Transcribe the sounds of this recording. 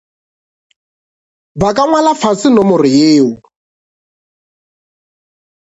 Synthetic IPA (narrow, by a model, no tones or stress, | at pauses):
bakʼaŋwalafasɪnɔmʊrɪjeːʊ